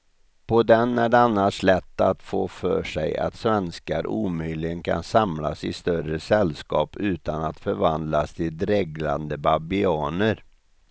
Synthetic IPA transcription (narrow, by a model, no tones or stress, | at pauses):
pʰɔd̪ɛnæɖɛanːaʂɭɛt̪ːat̪foːfœːʂɛ̰ja̰t̪svɛnskaɾʔuːmœːlɪɡənkʰa̰nsamlasɪ̰st̪œɾəsɛlskɑ̰ːpʉ̟ːt̪anat̪fœɾvand̪last̪ʰɪld̪ɾɛɡla̰nd̪əbabɪɑːnəɾ